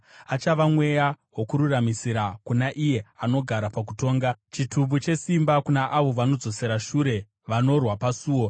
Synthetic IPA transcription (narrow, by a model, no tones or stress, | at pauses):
at͡ʃaʋamwe̞jaɦwokuɾuramisiɾakunaʔije̞ano̞ɡʱaɾapak̬uto̞ːŋɡat͡ʃitubut͡ʃe̞simbakunaʔaʋo̞ʋano̞d͡zo̞se̞ɾaʃuɾe̞ | ʋano̞rwapasuːwo̞